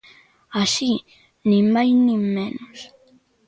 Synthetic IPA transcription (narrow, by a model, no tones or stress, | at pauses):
aʃi | nɪmajnɪmenʊs